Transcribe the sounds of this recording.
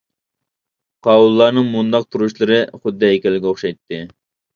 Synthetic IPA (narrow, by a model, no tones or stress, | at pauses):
qʰɑulˠːɑːnɨŋmund̪ɑq̚t̪ʰuɾuʃlˠɨɾɨχʊd̪ːɛekʲɛlːɪɡʲɛoχʃɑjt̪ːɨ